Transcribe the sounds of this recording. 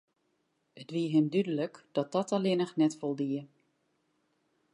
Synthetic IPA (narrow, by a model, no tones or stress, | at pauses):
ətʋiəɦɪmdydələkd̥ɔt̚dɔtʰalɪnəxnɛtfolˠdiə